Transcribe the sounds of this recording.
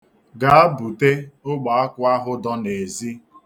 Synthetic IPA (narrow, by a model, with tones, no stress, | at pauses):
ɡa˨a˦bu˨te˦ʊ˦ɡ͡ba˨a˦kʷʊ˦a˦ɦʊ˦dɔ˦ne˨zi˦